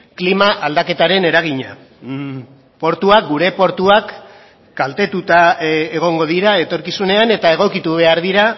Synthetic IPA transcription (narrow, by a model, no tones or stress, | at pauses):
klimaʔald̪ake̞t̪aɾe̞ne̞ɾaɣ̞iɲa | po̞ɾt̪uak̚ɡuɾe̞po̞ɾt̪uak | ɡ̥alt̪e̞t̪ut̪aeɣ̞o̞ŋɡo̞ð̞iɾae̞t̪o̞ɾkisune̞ane̞t̪ae̞ɣ̞o̞kit̪uβ̞e̞aɾðiɾa